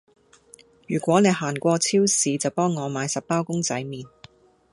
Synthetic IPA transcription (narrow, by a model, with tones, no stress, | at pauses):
jyː˨˩kʷɔː˨˥ne˨˧jhaː˨˩nkʷɔː˧t͡sʰiː˥wsiː˨˧t͡sɐ˨wpɔː˥ŋːɔː˨˧maː˨˧jsɐ˨p̚pːaː˥wkʊ˥ŋt͡sɐ˨˥jmiː˨n